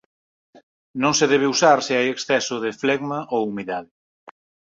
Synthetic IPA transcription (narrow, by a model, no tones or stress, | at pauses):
nõŋseðɛβ̞ɪusaɾsɪajeksθɛsʊðɪflɛɣmaʔoumiðaðɪ